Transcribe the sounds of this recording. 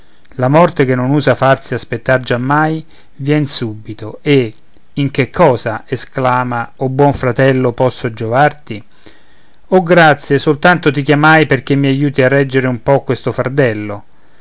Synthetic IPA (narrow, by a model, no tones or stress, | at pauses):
lamɔrt̪ek̟enːonuːzafarsiaspet̪ːard͡ʒamːaj | vjɛnsubit̪oe | iŋk̟ekʰːɔːzaesklaːmaobwɔɱfɾat̪ɛlːopɔsːod͡ʒovart̪i | oɡɾat̪sːjesolt̪ant̪ot̪ikjamajperk̟emːiajuːt̪iarːɛd͡ʒːeɾeumpɔkːwest̪ofaɾt̪ɛlːo